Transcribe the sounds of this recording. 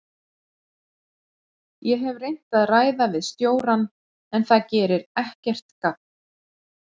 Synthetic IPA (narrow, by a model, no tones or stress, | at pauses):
jɛɦɛvrejn̥t̪aðraːjðavɪðst̪joːwɾan | ɛnθacɛːɾɪɾɛhcɛr̥t̪kat̚n